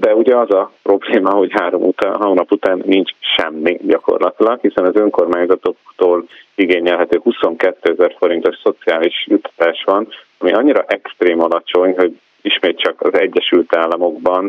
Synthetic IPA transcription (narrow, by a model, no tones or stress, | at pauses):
d̪ɛuɟɛɒzɒpro̞bleːmɒɦo̞cɦaːɾo̞mut̪ːɦɒnɒput̪aːnːint͡ʃʃɛ̰mːiɟɒko̞̰rlɒt̪ilɒkhisɛnɒzøŋko̞rmaːɲzɒt̪o̞kt̪oːliɡeːɲɛlɦɛt̪øːhuso̞ŋkɛt̪ːøːɛzɛrfo̞ɾint̪o̞ʃso̞t̪siaːliʃjut̪ʰːɒ̥t̪aːʃʋɒn | ɒmiʔɒɲːiɾɒʔɛkst̪reːmɒlɒt͡ʃo̞ɲɦo̞ɟ | iʃmeːt̪̚t͡ʃɒkɒzɛɟːɛʃylt̪aːlːɒmo̞ɡbɒn